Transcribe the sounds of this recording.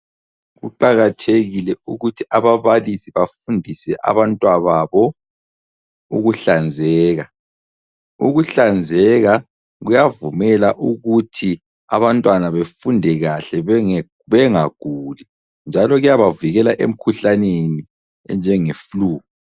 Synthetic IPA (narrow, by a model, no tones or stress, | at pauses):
ɣṵǃaɣatʰeɣilɛuɣutʰiʔaβaβalisiβafundʱisɛʔa̰βantʼwaβaβɔ | ṵɣuɬand͡zʱɛːɣa | ṵɣuɬand͡zʱɛɣa | ɣujavumɛlaʔuɣutʰi | a̰βantʼwanaβefundʱɛɣaɬɛ | βɛŋaɡ̥ʱuːli | nd͡ʒʱalɔɣujaβaviɣɛlaʔḛm̩kʰuɬaneni | ɛnd͡ʒʱɛŋefuluːɣu